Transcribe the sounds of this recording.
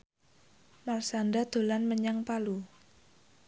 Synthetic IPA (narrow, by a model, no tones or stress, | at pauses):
marsandad̪̥o̤lanməɲaŋpalu